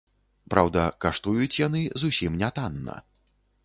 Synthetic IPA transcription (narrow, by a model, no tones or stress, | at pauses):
pɾawd̪ɐkaʂt̪ujut͡sʲjanɨzusʲimnʲat̪anːɐ̰